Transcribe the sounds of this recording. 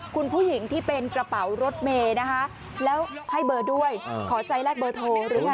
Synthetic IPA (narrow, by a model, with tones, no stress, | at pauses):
kʰu˧npʰuː˥˩ji˩˦ŋt̪ʰiː˥˩pe˧nkɾa˧pa˩˦wɾo˦˥t̪̚meː˧na˦˥kʰa˦˥ʔ | lɛː˦˥wha˥˩jbɤː˧du˥˩əjkʰɔː˩˦t͡ɕa˧jlɛː˥˩k̚bɤː˧t̪ʰoː˧ɾɯː˩˦a˧